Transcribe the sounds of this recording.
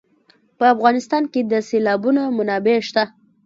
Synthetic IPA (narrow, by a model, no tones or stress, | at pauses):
pəafɣɑnɪst̪ɑnked̪əselɑbunamʊnɑbeʃt̪a